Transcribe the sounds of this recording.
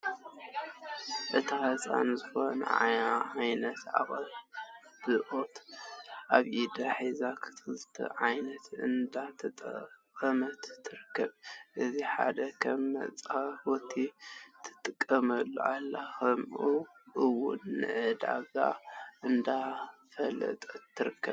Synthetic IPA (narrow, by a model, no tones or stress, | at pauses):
ʔɨt̪ʰahɐsʼa̰nzɨxo̞nɐ̰ʕaʕajnɐt̪a̰βʼalb̥ɨʔot̪ʔaβʔid̪ɐħizakʰɨ̥t̪ʰɨzɨt̪ʰɐ̰ʕajnɐt̪ʰɨnd̪at̪ʰɨt̪ʼkʼɐmɐt̪ʰːɨɾɨkʰːɐβʔɨziħa̰d̪ɐkʰɐmːɐ̰t͡sʼafot̪ʰit̪ʰɨ̥t̪ʼɨkʼːɐmɐlːo̰alːaxɐmʔuʔɨwʊ̰nːɨ̰ʕɨd̪a̰βa̰ʔɨnd̪afɐlːɐ̰t̪ʼʰːɨɾɨkʰːɐβ